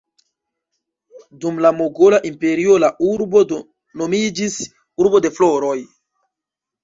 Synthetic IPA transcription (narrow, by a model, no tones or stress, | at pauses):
dumlamoɡo̞laʔimpe̞ɾio̞laʔuɾbo̞ | no̞mid͡ʒis | uɾbo̞de̞flo̞ɾo̞j